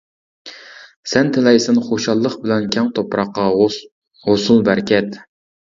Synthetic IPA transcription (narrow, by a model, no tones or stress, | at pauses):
sɛnt̪ʰɪlɛjsɪnχoʃɑlˠːəχbɪlɛnkʲʰɛŋt̪ʰopɾɑqːɑ | hosulˠbæɾkʲʰɛt̪